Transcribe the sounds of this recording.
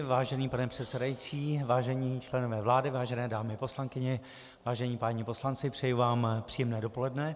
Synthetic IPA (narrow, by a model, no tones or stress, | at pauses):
vaːʒɛniːpanɛpr̥ɛt̪sɛdajit͡siːvaːʒɛɲiːt͡ʃlɛno̞vɛːvlaːdɪvaːʒɛnɛːdaːmɪpo̞slaŋkɪɲɛ | vaːʒɛɲiːpaːɲɪpo̞slant͡sɪpr̥ɛjuvaːmpr̥iːjɛmnɛːdo̞po̞lɛdnɛ